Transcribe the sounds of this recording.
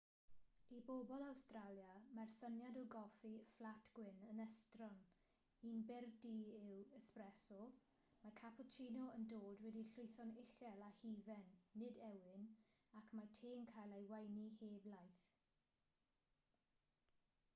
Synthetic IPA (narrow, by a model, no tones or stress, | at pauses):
ibobɔlˠawstralˠjamarsənjadɔɡɔfiflˠatʰɡ̥wɪnənɛstrɔn | iːnbɪrdiɪwəsprɛsɔ | makʰapʰɔt͡ʃʰiːnɔəndoːdwɛdiɬʊɨθɔnɪɬɛlˠahiːvɛnːɪdɛwɪnakʰmatʰeːnkʰajlˠejwajniheːblajθ